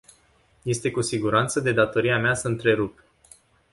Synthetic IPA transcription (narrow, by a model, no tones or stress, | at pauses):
je̞st̪e̞kusiɡuɾant̪səd̪e̞d̪at̪o̞ɾiameasəɨnt̪ɾe̞ɾup